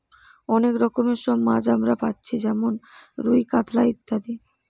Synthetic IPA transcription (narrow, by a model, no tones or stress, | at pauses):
ɔnekɾɔkomeɾʃɔmːad͡ʑamɾapatːɕʰid͡ʑɛmonɾujkat̪ʰlait̪ːad̪i